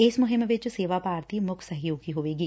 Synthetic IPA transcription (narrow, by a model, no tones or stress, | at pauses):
ɪsmʊɦɪmʋɪt͡ʃseːʋapaːɾt̪ʰimʊkʰsɐɦjoːɡiɦoːʋeːɡiː